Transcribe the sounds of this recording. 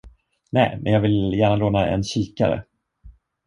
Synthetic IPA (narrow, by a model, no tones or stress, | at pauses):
nɛːmɛnjɑːɡvɪljæːɳaloːnaʔɛ̰nɕiːkaɾə̰